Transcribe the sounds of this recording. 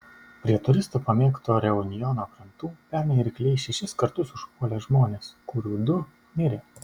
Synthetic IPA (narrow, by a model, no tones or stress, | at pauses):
pʲɾʲiɛt̪ʊɾʲɪst̪uːpɐmʲeːkt̪oːɾʲɛʊnʲɪjɔnoːkʲɾʲɪnt̪uːpʲæɾmʲɛɪɾʲkʲlʲɛɪʃʲɛʃʲɪskɐɾt̪ʊsʊʃpuːlʲɛːʒmoːnʲeːskʊɾʲuːd̪ʊ | mʲɪɾʲɪ